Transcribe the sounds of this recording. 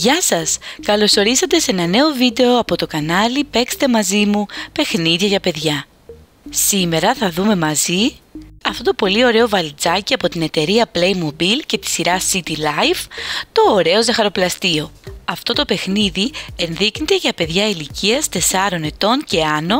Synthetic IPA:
ʝɐsɐskɐlo̞so̞ɾisɐt̪e̞se̞nɐne̞o̞vid̪e̞o̞ɐpo̞t̪o̞kɐnɐlipe̞kst̪e̞mɐzimupe̞xniðʝɐʝɐpe̞ðʝɐ | sime̞ɾɐθɐðume̞mɐziɐft̪o̞t̪o̞po̞lio̞ɾe̞o̞vɐlt͡sɐciɐpo̞t̪ine̞t̪e̞ɾiɐple̞jmo̞bilce̞t̪i̥siɾɐsit̪ilɐjvt̪o̞ːɾe̞o̞zexɐɾo̞plɐst̪io̞ɐft̪o̞t̪o̞pe̞xniðie̞nðiknet̪e̞ʝɐpe̞ðʝɐiliciɐst̪e̞sɐɾo̞ne̞t̪o̞nce̞ɐno̞

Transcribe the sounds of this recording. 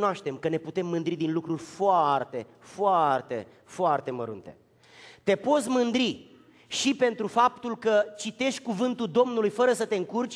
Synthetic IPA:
noaʃt̪e̞mkəne̞put̪e̞mːɨnd̪ɾid̪inlukɾurʲfoart̪e̞ | foart̪e̞̰ | foart̪e̞mə̰ɾṵnt̪e̞̰ | t̪e̞po̞t̪sʲmɨnd̪ɾi | ʃipe̞nt̪ɾufap̚t̪ulkət͡ʃit̪e̞ʃt̪̚ʲkuvɨnt̪uld̪o̞mnulujfəɾəsət̪e̞ɨŋkurt͡ʃʲ

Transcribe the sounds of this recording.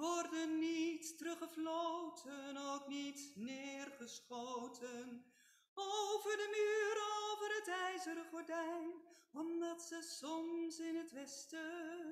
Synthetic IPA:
ʋɔrdənːittərɵχəflowtʰənowknitnɪːrχəsχowtʰən | owvəɹdənyːɾoowvəɾɦətɛjzəɾəχɔɹdɛjn | ɔmdɑtsəsɔmsɪnɦətʋɛstə

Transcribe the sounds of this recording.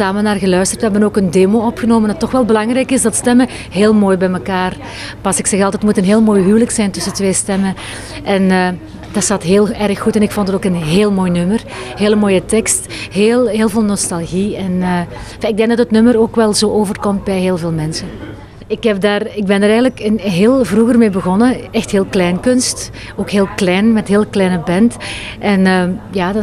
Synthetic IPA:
aːmənaːrɣəlœɥstərtʋəɦɛbənoːkəndeːmoːɔpxənoːməndɑtːɔxʋɛlˠbəlɑŋrɛjkɪsdɑtstɛmə | ɦeːlˠmoːjbɛjməkaːr | pɑsɪksɛxɑlˠtətmutənɦeːlˠmoːjɦywləksɛjntɵsətʋeːstɛmən | ʔɛnəː | d̥ɑsaːtɦeːlˠɛɾəxːutɛnɪkfɔntətoːkənɦeːlˠmoːjnɵmərɦeːləmoːjətɛkstɦeːlˠɦeːlˠveːlˠnɔstɑlˠɣiɛnəː | faːɪɡdɛŋdɑtətnɵməɾoːkʋɛlˠzoːʔoːvərkɔmt̚bɛjɦeːlˠveːlˠmɛnsən | ɪkɦɛp̚daːrɪɡ̚bɛndəɾɛjɣənləkɪnɦeːlˠvruɣərmeːbəɣɔnəɛxtɦeːlˠklɛjnkɵnst | oːkɦeːlˠklɛjnmɛtɦeːlˠklɛjnəbɛnt | ʔɛnəjaːd

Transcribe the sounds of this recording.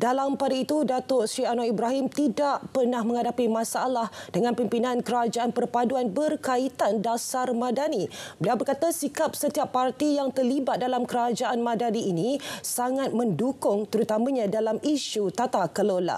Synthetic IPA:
dalampadait̪udat̪ʊsɾianoibɾaɦimt̪idaʔpərnahmə̃ŋɦadapimãsaalahdəŋãnpimpinãnkəɾad͡ʒaanpərpaduanbərkait̪andasarmãdanibəliawbərkat̪asikap̚sət̪iapːart̪ijaŋt̪ərlibat̪̚dalamkəɾad͡ʒaʔanmãdaniinisaŋat̪̚mə̃ndukʊŋt̪əɾut̪amãɲãdalamiʃut̪at̪akəlola̰

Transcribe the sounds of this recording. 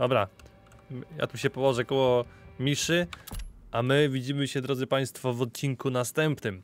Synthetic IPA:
d̪̥ɔbɾa | ja̰t̪uɕɛpɔwɔʐɛkɔwɔmʲiʂɘʔamɘvʲid͡ʑimɘɕɛd̪ɾɔd̪zɘpaj̃st̪fɔvɔt̪̚t͡ɕiŋkunast̪ɛmpnɘm

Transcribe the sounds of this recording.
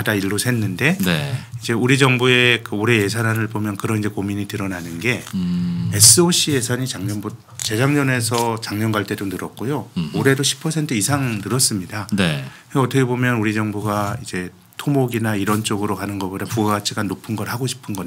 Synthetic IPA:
adaiɭːosʰenːɯnde̞neid͡ʑe̞uɾid͡ʑʌŋbue̞kɯoɾe̞je̞s̬ʰanɦanɯɭbomjʌnkɯɾʌind͡ʑe̞komiɲitɯɾʌnanɯnɡe̞ | es͈ɯoɕ͈ʰie̞sʰʌɲit͡ɕaŋɲʌnbo | t͡ɕe̞d͡ʑaŋɲʌne̞sʰʌt͡ɕaŋɲʌnɡaɭt͈e̞donɯɾʌk̚k͈ojooɾe̞doɕʰi̥pʰːʌsʰe̞ntʰɯisʰaŋnɯɾʌs͈ɯmɲidanekɯʌtʰʌkʰe̞bomjʌnuɾid͡ʑʌŋbuɡaid͡ʑe̞ | tʰomoɡinaiɾʌnt͡ɕ͈oɡɯɾokanɯnɡʌpodapuɡaɡat͡ɕʰiɡanopʰɯnɡʌɾhaɡoɕʰi̥pʰɯnɡʌ

